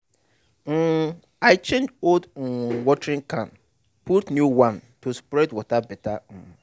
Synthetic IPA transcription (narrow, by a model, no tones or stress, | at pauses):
ŋ̩ | aɪt͡ʃʰẽnd͡ʒold̩wɔtʰɾɪ̃ŋkʰãn | pʰutnjuwãntʰuspɾɛdwɔtʰabɛtʰañ̩